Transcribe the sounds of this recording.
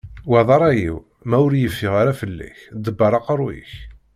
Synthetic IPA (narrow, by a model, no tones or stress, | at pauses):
wæðˤɑɾˤæjḭw | mæʊɾjəfːɪʁaɾæfəlːæ̰çd̪əbːɑɾˤɑqɾˤwḭç